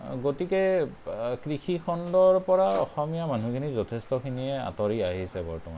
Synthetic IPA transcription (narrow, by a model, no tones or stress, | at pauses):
ɡotikɛ | kɹixʰikʰɔndɔɹpɔɹaɔ̰xɔmijamanukʰinizɔtʰɛstɔkʰiniɛa̰tɔɹiaɦisɛbɔ̰ɹtɔma̰